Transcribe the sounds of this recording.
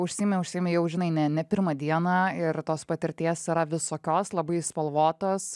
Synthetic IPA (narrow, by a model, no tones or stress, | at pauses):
ʊʃʲsʲiːmʲɛʊʃʲsʲiɪmʲejɛʊʒʲɪnɐɪnʲɛnʲɛpʲɪɾmɐd̪ʲiɛnɑːɪɾt̪oːspɐt̪ʲɪɾʲt̪ʲeɛsɪɾɐʋʲɪsoːkʲoːslˠɐbɐɪspɐlˠʋoːt̪oːs